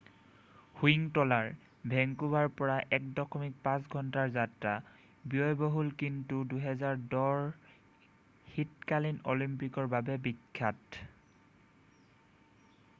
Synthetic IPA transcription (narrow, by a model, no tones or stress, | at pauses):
huiŋtɔlaɹ | bʱɛŋkubaɹpɔɹaʔɛk̚dɔkʰɔmik̚pãsɡʱɔntaɹzatɹa | bijɔjbɔɦulkintuduɦɛzaɹdɔɹ | hitkalinolimpikɔɹbabɛbikʰːat